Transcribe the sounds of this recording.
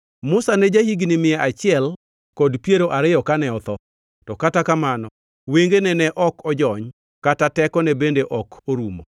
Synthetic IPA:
mʊsanɛd͡ʒahiɡnimɪɛʔat͡ʃɪɛl | kɔdpjeɾoʔaɾɪjɔkanɛɔt̪ɔ | tɔkatakamanɔ | weŋɡenɛnɛʔɔkɔd͡ʒɔɲ | katatɛkɔnɛbendeʔɔkʰoɾumo̰

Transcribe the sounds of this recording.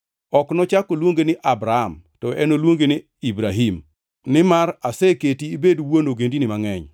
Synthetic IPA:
ɔknɔt͡ʃakolwoŋɡenɪʔabɾaamtɔʔɛnolwoŋɡenɪ | ibɾaɦim | nɪmaɾasɛketiːbedwonoɡendinɪmaŋɛɲ

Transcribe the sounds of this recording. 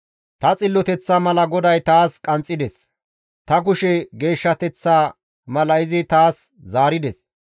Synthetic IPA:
t̪ɐt͡sʼɪlːɔt̪ɛt͡sːɐmɐlɐɡɔd̪ɐjt̪aːskʼɐnt͡sʼːɪd̪ɛs | t̪ɐk̬ʊʃɛɡe̞ːʃːɐt̪ɛt͡sːaː | mɐlɐɪzɪt̪aːs | zaːɾɪd̪ɛs

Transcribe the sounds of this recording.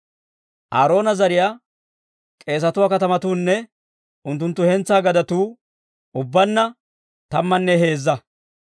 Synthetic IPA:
ʔaːɾo̞ːnɐzɐɾɪjaː | kʼe̞ːs̬ɐt̪ʊwaːkɐt̪ɐmɐt̪uːnːɛ | ʔʊnt̪ːʊnt̪ːʊhɛnt͡sːaːɡɐd̪ɐt̪uː | ʔʊbːɐnːɐ | t̪ɐmːɐnːɛɦe̞ːzːɐ

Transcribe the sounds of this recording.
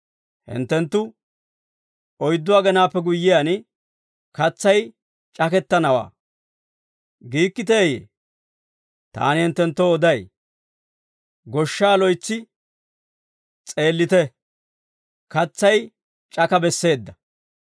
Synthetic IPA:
hɪ̰nt̪ːɛnt̪ːʊ | ɔjd̪ːʊaːɡɛnaːpːɛɡʊjːɪjan | kɐt͡sːɐj | t͡ʃʼɐkɛt̪ːɐnɐwa̰ː | ɡiːkːɪt̪̬eːjḛː | t̪a̰ːnɪhɪnt̪ːɛnt̪ːoːd̪ɐj | ɡɔʃːaːlɔjt͡sːɪ | t͡sʼe̞ːlːɪt̪ɛ | kɐt͡sːɐj | t͡ʃʼɐkɐbɛsːe̞ːd̪ːɐ

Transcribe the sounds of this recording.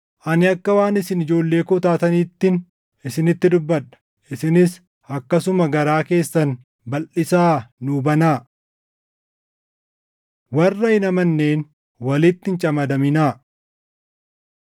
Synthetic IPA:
ʔɐnɪɐkːɐwaːnɪsɪnɪd͡ʒo̞ːlːe̞ːkʊt̪aːt̪ɐniːt̪ːɪn | ɪsɪnɪt̪ːɪd̪ʊbːɐᶑɐ̥ | ʔɪsɪnɪs | ɐkːɐsʊmɐɡɐɾaːke̞ːsːɐn | bɐlʔɪsaːnubɐnaː | wɐrːɐɪnɐmɐnːe̞ːn | wɐlɪt̪ːɪnt͡ʃʼɐmɐd̪ɐmɪnaː

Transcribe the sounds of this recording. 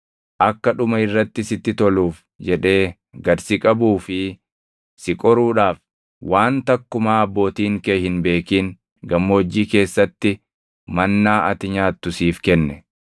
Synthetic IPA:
ʔɐkːɐᶑʊmɐɪrːɐt̪ːɪsɪt̪ːɪt̪ɔluːf | d͡ʒɛᶑe̞ː | ɡɐɾsɪkʼɐbuːfɪ | sɪkʼɔɾuːᶑaːf | waːnt̪ɐkːʊmaːɐbːo̞ːt̪iːŋkehɪnbe̞ːkiːŋ | ɡɐmːod͡ʒːiːke̞ːsːɐt̪ːɪ | mɐnːaːɐt̪ɪɲaːt̪ːʊsiːfkɛnːɛ

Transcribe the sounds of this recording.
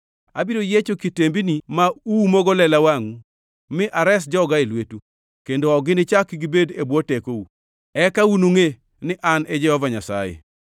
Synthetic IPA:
a̰biɾojet͡ʃokitembinimaumɔɡolɛlawaŋu | mɪʔaɾɛs̬d͡ʒɔɡaelwetu | kendoɔɡɪnɪt͡ʃakiɡɪbedebwɔtekou | ɛkaunuŋe | nɪʔanɛd͡ʒɛhɔvaɲasa̰jḛ

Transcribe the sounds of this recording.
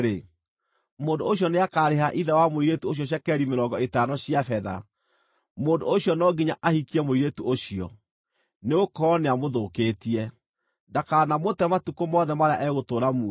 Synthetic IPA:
ɾe | moːndooɕjɔneakaːɾeɦaʔiðɛwamoiɾetuoɕ̬jɔɕ̬jakɛɾimeɾɔŋɡɔetanɔɕiafɛða̰ | moːndooɕjɔnɔɡiɲaʔahikiɛmoiɾetuʔoɕiɔ̰ | neokɔneamoðokeːtiɛ | dakanamotɛmatukomɔːðɛmaɾea̰ʔɛɣotoːɾamuɛ

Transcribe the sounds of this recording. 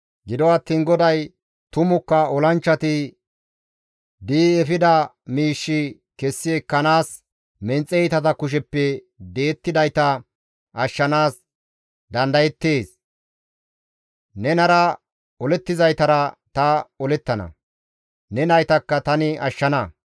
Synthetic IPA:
ɡɪd̪ɔɐt̪ːiːnɡɔd̪ɐj | t̪ʊmʊkːɐɔlɐnt͡ʃːɐt̪ɪ | d̪iːɛfɪd̪ɐ | miːʃːɪ | kɛsːɪɛkːɐnaːs | mɛnt͡sʼɛjt̪ɐt̪̬ɐkʊʃ̬ɛpːɛ | d̪e̞ːt̪ːɪd̪ɐjt̪ɐ | ɐʃːɐnaːs | d̪ɐnd̪ɐjɛt̪ːe̞ːs | nɛnɐɾɐ | ɔlɛt̪ːɪzɐjt̪ɐɾɐt̪ɐɔlɛt̪ːɐnɐ̰ | nɛnɐjt̪ɐkːɐt̪ɐnɪʔɐʃːɐnɐ

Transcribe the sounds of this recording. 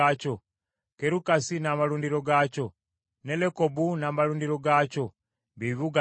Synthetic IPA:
aco | keɾukasinaːmaluːndiɾo̞ɡaːco̞ | nelekobunaːmaluːndiɾo̞ɡaːco̞ | βiβuɡa

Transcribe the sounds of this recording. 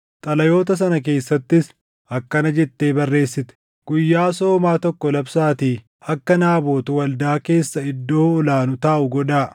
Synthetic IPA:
t̪ʼɐlɐjo̞ːt̪ɐs̬ɐnɐk̬e̞ːsːɐt̪ːɪs | ɐkːɐnɐd͡ʒɛt̪ːe̞ːbɐrːe̞ːsːɪt̪ɛ̥ | ɡ̥ʊjːaːso̞ːmaːt̪ɔkːɔlɐbsaːt̪i | ɐkːɐnaːbo̞ːt̪ʊwɐld̪aːke̞ːsːɐɪd̪ːo̞ːɔlaːnʊt̪aːʔʊɡɔᶑaː

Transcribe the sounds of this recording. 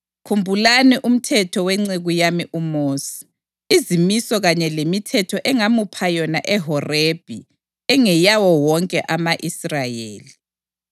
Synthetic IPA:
kʰumbʱulaniʔum̩tʰɛtʰɔwɛŋ͡ǀeɣujamiʔumoːsi̥ | izimisɔɣaɲɛlemitʰɛtʰɔʔɛŋamupʰajɔnaʔɛɦɔreb̥ʱi | ɛŋɛjawɔwɔŋkʼɛʔamaʔisrajḛːli

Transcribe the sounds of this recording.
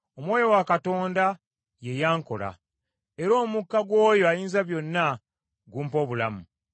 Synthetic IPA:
omwo̞ːjo̞wakato̞ːnda | je̞jaːŋko̞̰la̰ | e̞ɾo̞ːmukːaɡwo̞ːjo̞ajiːnzaβjo̞nːa | ɡuːmpo̞ːβula̰mu

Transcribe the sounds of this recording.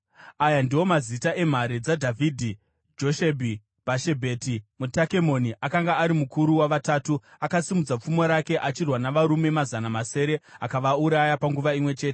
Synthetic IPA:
ajandiwo̞mazitaʔe̞m̤aɾed͡zadʱavʱidʱi | d͡ʒo̞ʃebʱi | baʃe̞bʱe̞timutake̞mo̞niʔakaŋɡaːɾimukuɾuwaʋataːtuakasimud͡zap͡fumo̞ɾake̞ʔat͡ʃirwanaʋaɾume̞mazanamase̞ːɾe̞akaʋauɾajapaŋɡuʋaimwe̞t͡ʃe̞ːte̥

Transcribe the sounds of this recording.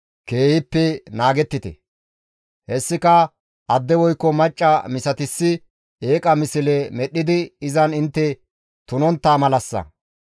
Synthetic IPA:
ke̞ːhɪpːɛnaːɡɛt̪ːɪt̪ɛ̰ | hɛsːɪkɐ | ʔɐd̪ːɛwɔjkːɔmɐt͡ʃʼːɐmɪsɐt̪ɪsːɪ | eːkʼɐmɪsɪlɛmɛɗːɪd̪ɪːzɐnɪnt̪ːɛ | t̪ʊnɔnt̪ːaːmɐlɐsːɐ̰

